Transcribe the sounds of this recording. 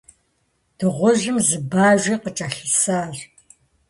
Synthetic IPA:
d̥ɨʁʷʊʒɪmzɨbaːʒʷiːqət͡ʃʼɐɬɨsaːr

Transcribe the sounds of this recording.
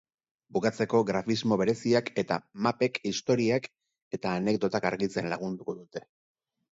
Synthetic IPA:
bukat͡se̞ko̞ɣɾafizmo̞βe̞ɾe̞siake̞t̪a̰mape̞kist̪o̞ɾiak | e̞t̪aːne̞k̚d̪o̞t̪akaɾɣit͡se̞nlaɣ̞und̪uko̞ðut̪e̞

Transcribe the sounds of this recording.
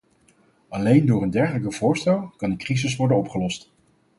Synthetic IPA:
ʔɑlejndʊːɹəndɛɹχələk̬əvʊːɹstɛlˠkɑndəkrizɪs̬ʋɔɹdənɔpχəlɔst

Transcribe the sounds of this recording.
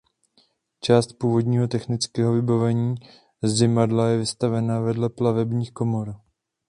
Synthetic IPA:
t͡ʃaːst̪̚puːvo̞d̪ɲiːɦo̞t̪ɛxnɪt͡skɛːɦo̞vɪbavɛɲiː | zdɪmadlajɛvɪst̪avɛnavɛdlɛplavɛbɲiːxko̞mo̞ɾ

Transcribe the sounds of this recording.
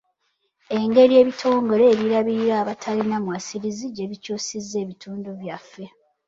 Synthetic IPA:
e̞ŋɡe̞ɾije̞ːβitʰo̞ːŋɡo̞ɾe̞ːβiɾaβiiɾaːβatʰalinamwasiɾiziɟe̞βicuːsizːe̞ːβitʰuːnduβjafːe̞

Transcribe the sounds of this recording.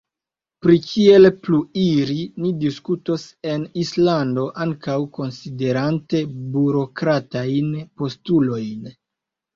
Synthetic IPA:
pɾikʰie̞lpluiɾinidiskuto̞se̞nislando̞ʔaŋkawko̞nside̞ɾante̞buɾo̞kɾatajnpo̞stulo̞jn

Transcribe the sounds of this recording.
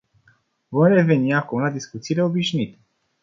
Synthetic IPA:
vomre̞ve̞niakumlad̪iskut̪siːle̞o̞biʃnit̪e̥

